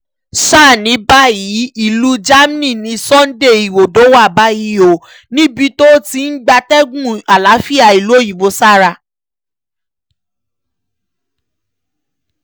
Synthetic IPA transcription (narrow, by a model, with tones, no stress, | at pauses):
saː˦˨nĩ˨˦ba˦ji˨˦i˦˨lu˦d͡ʒa˦m˦nĩ˦˨nĩ˧sɔ̃˦n̩˦de˦˨i˨wo˨do˨˦wa˦˨ba˦ji˦˧˦o˨ | nĩ˦bi˧˦to˦ti˧n̩˦ɡ͡ba˧tɛ˦ɡũ˦˨a˨la˨˦fi˦a˦˨i˨lo˦ji˨wo˧˦sa˦˨ɾa˧˨